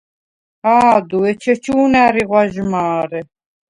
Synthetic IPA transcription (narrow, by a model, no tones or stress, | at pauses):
aːd̪uɛt͡ʃʰɛt͡ʃʰuːnæːɾiʁʷwaʒmaːɾɛ